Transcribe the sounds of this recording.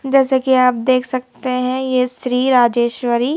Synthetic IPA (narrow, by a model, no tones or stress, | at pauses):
d͡ʒɛːsekiaːp̚d̪eːkʰsɐk̚t̪eɦɛ̃jesɾiːɾaːd͡ʒeːʃʋəɾiː